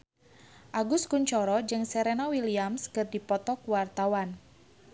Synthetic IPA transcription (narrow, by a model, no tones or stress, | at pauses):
ʔaɡuskuɲt͡ʃɔɾɔd͡ʒɨŋsɛɾɛnawiliamskɨrdipɔt̪ɔkuwart̪awan